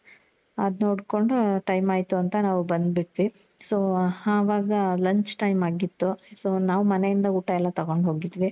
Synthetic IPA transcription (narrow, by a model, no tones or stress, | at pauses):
ɐd̪noːɽko̞ɳɖuʈɐjmaːjt̪uɐnt̪ɐnaːʋubɐnd̪biʈt̪ʋi | soːhaːʋaːɡɐlɐɲt͡ʃʈɐjmaːɡit̪ːusoːnaːʋumɐne̞jind̪ɐuːʈɐɛlːɐt̪ɐɡo̞ɳɖɦoːɡid̪ʋi